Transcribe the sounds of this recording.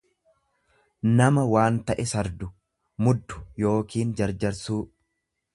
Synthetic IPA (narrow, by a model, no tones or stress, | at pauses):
nɐmɐwaːnt̪ɐʔɛsɐɾd̪ʊ | mʊd̪ːʊ̥jo̞ːkiːnd͡ʒɐɾd͡ʒɐɾsuː